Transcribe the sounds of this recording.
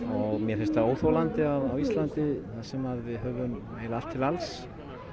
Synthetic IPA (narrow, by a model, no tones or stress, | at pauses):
ɔɣmjɛɾ̥θɛɾst̪aoːwθowlant̪ɪaðawist̪lant̪ɪθasɛmaðvɪðɦœːvʏm | eːjlalt̪ʰːɪlals